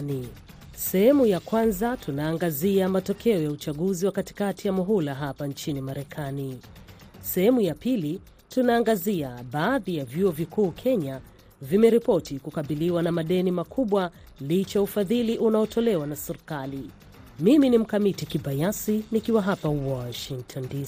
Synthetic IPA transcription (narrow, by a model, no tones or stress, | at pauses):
i | sɛhɛmujakwanzatunaːŋɡaziamatɔkʰɛɔjaut͡ʃaɠuziwakati̥katijamɔɦulaɦapant͡ʃinimaɾɛkʰani | sɛɦɛmujapili | tunaːŋɡaziaɓaːðijavjuɔvikuːkʰɛɲa | vimɛɾipɔtikukaɓiliwanamaɗɛnimakʰuɓwa | lit͡ʃaufaðiliʔunaɔtʰɔlɛwanasiɾikali | miminim̩kamitikiɓajasinikiwaɦapawɔʃiŋk̚tʰɔndi